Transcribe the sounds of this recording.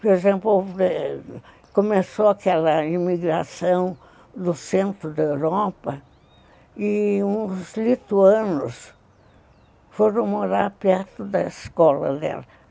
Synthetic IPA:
poɾezẽmplo | komesoakɛlɐimiɡɾasɐ̃w̃ | d̪ʊsẽnt̪ɾʊd̪ewɾɔpɐ | iũzlit̪uɐ̃nʊs | foɾɐ̃w̃moɾaɾpɛɾt̪ʊd̪ɐiskɔlɐ̰d̪ɛ̰lɐ

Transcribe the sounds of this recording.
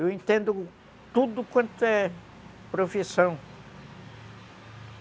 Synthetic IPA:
ewẽt̪ẽnd̪ʊ | t̪ud̪ʊkwɐ̃nt̪ʊɛ | pɾofisɐ̃w̃

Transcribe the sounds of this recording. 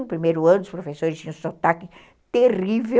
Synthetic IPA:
ʊpɾimejɾʊɐ̃nʊd̪ʊspɾofesoɾɪsĩsot̪akɪ | t̪erive

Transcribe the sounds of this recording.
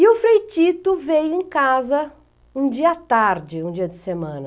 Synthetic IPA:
ɪʊfɾejt͡ʃit̪ʊvejʊẽj̃kazɐ | ũd͡ʒiɐat̪aɾd͡ʒɪũd͡ʒiɐd͡ʒɪsemɐ̃nɐ

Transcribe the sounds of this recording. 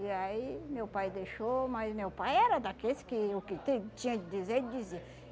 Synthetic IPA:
iaimewpajd̪eʃomɐzmewpajɛɾɐd̪akeskɪʊkɪt̪ẽt͡ʃĩɲɐ̃d̪ɪdizeɾd̪ɪd͡ʒize

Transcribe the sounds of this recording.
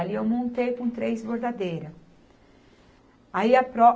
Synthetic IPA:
liewmõnt̪ejkõt̪ɾejzboɾd̪ad̪ejɾɐ | aiɐpɾɔ

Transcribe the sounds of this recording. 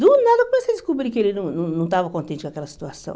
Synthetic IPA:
d̪unad̪ɐkomɛsɛd̪iskubɾikelinũnũnɐ̃t̪avɐkõnt̪ẽnt͡ʃikakɛlɐsi̥t̪uasɐ̰̃w̃

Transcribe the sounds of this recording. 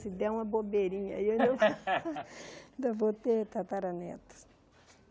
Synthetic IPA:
sid̪ɛũmɐbobeɾĩɲɐioĩnd̪ɐvo | nd̪ɐvot̪et̪at̪aɾɐnɛ̰t̪ɐ̥

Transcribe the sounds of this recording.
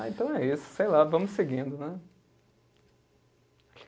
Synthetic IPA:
aẽnt̪ɐ̃w̃ɛisʊ̥sejlavɐ̃mʊsseɡĩnd̪ʊnɛ

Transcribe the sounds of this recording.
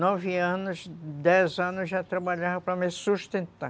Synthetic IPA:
nɔvɪɐ̃nʊsd̪ɛzɐ̃nʊsʒat̪ɾabaʎavɐpɾɐmɪsuʃt̪ẽnt̪a

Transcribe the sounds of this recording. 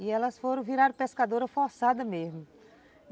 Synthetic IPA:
ɪɛlɐsfoɾɐ̃w̃viɾaɾʊpeskad̪oɾɐfɔɾsad̪ɐmezmʊ

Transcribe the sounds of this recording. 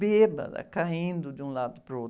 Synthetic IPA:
eːba̰d̪a̰kaɦĩːnd̪ud͡ʒũːlad̪pɾoː

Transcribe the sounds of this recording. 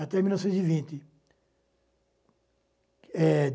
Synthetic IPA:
at̪ɛmilnɔwsẽt̪zivĩnt̪ɪ | ɛd̪

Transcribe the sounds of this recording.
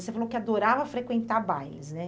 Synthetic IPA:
osefalokɪad̪oɾavɐfɾekwẽnt̪abajlɪznɛ

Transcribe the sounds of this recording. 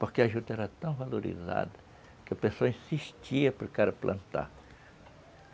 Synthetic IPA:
poɾkeɐʒut̪ɐɛɾɐt̪ɐ̃w̃valoɾḭza̰d̪ɐ | kɪɐpesoɐĩsiʃt͡ʃiɐpɾekaɾɐplʔɐ̰̃nt̪a̰ɾ

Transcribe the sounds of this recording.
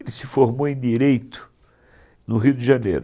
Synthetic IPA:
lɪsɪfoɾmoẽj̃d̪iɾejt̪ʊ̥ | nʊɦiʊd̪ɪʒɐnḛjɾʊ

